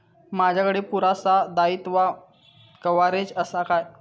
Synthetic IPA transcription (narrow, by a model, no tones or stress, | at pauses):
mad͡ʑʱjakəɽepuɾasad̪ait̪ʋa | kəʋaɾed͡zəsakaj